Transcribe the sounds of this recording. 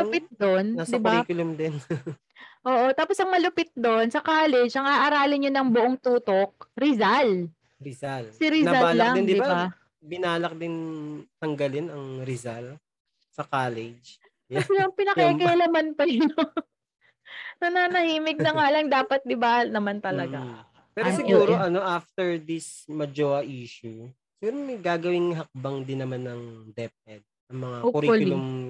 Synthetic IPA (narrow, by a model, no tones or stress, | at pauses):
ʊpɪt̪̚d̪onnasd̪ɪbaikʊlɐmd̪ɪn | ʔoːʔo̞t̪aːposɐŋmɐlʊpɪt̪̚d̪o̞nsɐkaːlɛd͡ʒʔɐŋaʔɐɾaːlɪɲonɐŋbʊʔoŋt̪uːt̪ok̚ɾɪzal | ɾɪsalsɪɾɪaaallːɐd̪ɪnd̪ɪdɪbabba | bɪnaːlɐk̚d̪ɪnt̪ɐŋɡɐlɪnɐŋɾɪzal | sɐkaːlɛd͡ʒ | jɛslɐŋpɪnɐkɐkɐlɐmanpɐjno | nɐnaːnɐhiːmɪɡ̚nɐŋaːlɐŋd̪aːpɐt̪̚d̪ɪbanɐmant̪ɐlɐɡa | pɛːɾɾosɪɡuːɾoʔɐno̞ʔaft̪ɛɹd̪ɪsmɐd͡ʒoːɐʔiːʃu | sɪɪɡuːɾomɐjɡaːɡɐwɪŋɦɐk̚bɐŋd̪ɪnːɐmanːɐŋd̪ɛp̚ɛd̪̚ | ɐŋmɐŋaokʊɾiɐlʊloŋ